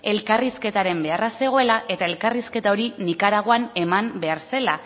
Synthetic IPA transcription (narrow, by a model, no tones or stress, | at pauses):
e̞lkariske̞t̪aɾe̞mbe̞arase̞ɣ̞o̞e̞laʔe̞t̪ae̞lkariske̞t̪ao̞ɾinikaɾaɣ̞oane̞mambe̞aɾse̞la